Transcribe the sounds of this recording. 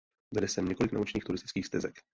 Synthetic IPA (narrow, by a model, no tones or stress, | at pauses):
vɛdɛsɛmɲɛko̞lɪkna̰ot͡ʃɲiːxt̪uɾɪst̪ɪ̥t͡skiːxfst̪ɛzɛk